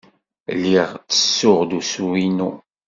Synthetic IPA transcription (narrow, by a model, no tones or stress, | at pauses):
lːiʁt͡sːə̥sːʊʁd̪usuwinu